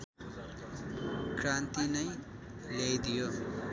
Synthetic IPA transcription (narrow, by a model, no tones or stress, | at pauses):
krãnt̪inʌjlajd̪ijo